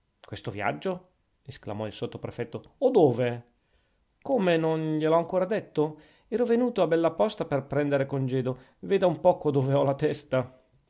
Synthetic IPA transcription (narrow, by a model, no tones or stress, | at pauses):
kwest̪ovja̰d͡ʒːo | eskla̰mɔilsot̪ːopɾefɛt̪ːood̪oːve | komenonʎelɔaŋkoːɾad̪et̪ːo | ɛːɾovenuːt̪oabːɛlːapɔst̪aperpɾɛnd̪eɾekond͡ʒɛːd̪o | veːd̪aumpɔːkod̪oːveɔlat̪ɛst̪a